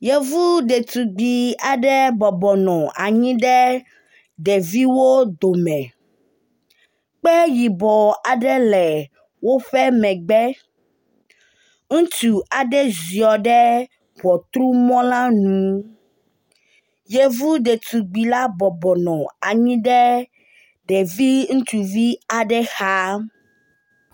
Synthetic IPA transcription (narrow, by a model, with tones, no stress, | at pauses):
je˦vu˦ɖe˨t̪u˨ɡ͡bi˨a˨ɖɛ˦bɔ˨bɔ˨nɔ̃˨ʔa˨ɲĩ˦ɖɛ˦ | ɖɛ˨vi˦wo˦d̪o˨mɛ̃˨ | k͡pɛ˦ji˨bɔ˨a˨ɖɛ˦lɛ˨ | wo˦ɸɛ˦mɛ̃˨ɡ͡bɛ˦ | ŋũ˦t͡ʃu˨a˨ɖɛ˦zi˨ɔ˨ɖɛ˦ | bɔ˨t̪ɾu˦mɔ̃˦lã˦nũ˨ | je˦vu˦ɖe˨t̪u˨ɡ͡bi˨la˦bɔ˨bɔ˨nɔ̃˨a˨ɲĩ˦ɖɛ˦ | ɖɛ˨vi˦ŋũ˦t͡ʃu˨vi˦a˨ɖɛ˦xa˦